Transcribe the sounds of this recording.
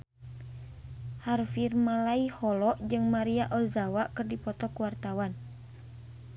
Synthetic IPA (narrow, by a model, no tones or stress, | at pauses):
harfirmalaihɔlɔʔd͡ʒɨŋmaɾiaʔɔlzawakɨrdipɔt̪ɔkuwart̪awan